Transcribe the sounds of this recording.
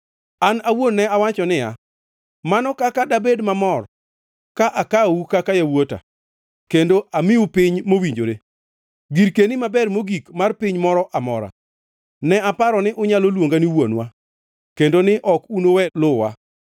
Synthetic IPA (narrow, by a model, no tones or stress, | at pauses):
anawonːɛawat͡ʃɔnɪja | manɔkakadabedmamɔr | kaʔakawukakajawota̰ | kendoʔamɪʊpɪɲmowiɲd͡ʒoɾe | ɡiɾkenimabɛrmoɡikmarpɪɲmɔɾɔʔamɔ̰ɾa̰ | nɛapaɾɔnɪʔʊɲalolwoŋɡaniwo̰nwa | kendonɪʔɔkunowɛlʊwa